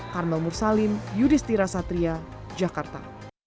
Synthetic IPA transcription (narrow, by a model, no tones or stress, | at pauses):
karmɛlmursalɪmjudist̪iɾasat̪ɾia | d͡ʒakart̪a̰